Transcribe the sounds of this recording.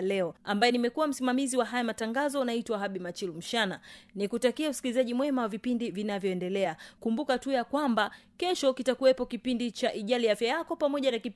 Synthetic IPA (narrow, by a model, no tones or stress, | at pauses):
lɛɔambajɛnimɛkuwam̩simamiziwaɦajamataŋɡazɔnaitwaɦaɓimat͡ʃilum̩ʃananikutakiausi̥kilizaʄimwɛmawavipindivinavjɔɛndɛlɛakumbukatujakwambakɛʃɔkitakuwɛpɔkipindit͡ʃaʔiʄaliafjajakɔpamɔʄanaki